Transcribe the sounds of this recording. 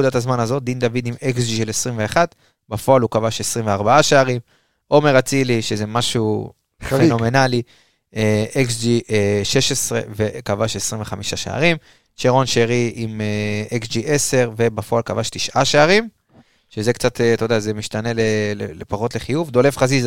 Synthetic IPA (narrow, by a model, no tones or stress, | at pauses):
ud̪atazmanazo̞t̚d̪ind̪avid̪imeksd͡ʒiʃelesʁimveaχat̪ | bafo̞alukavaʃesʁimveaʁbaaʃeaʁim | ʔo̞me̞ʁat͡siliʃeze̞maʃu | feno̞me̞nali | eeksd͡ʒieʃeʃesʁe̞̰vekavaʃesʁimve̞χamiʃaʃḛa̰ʁim | ʃeʁo̞nʃeʁiʔimeeksd͡ʒiʔese̞ʁve̞bafo̞alkavaʃtiʃaʃaaʁim | ʃezekt͡sat̪et̪o̞d̪azemiʃt̪ane̞lelḛlepaʁo̞tle̞χijuvd̪o̞le̞fχaziz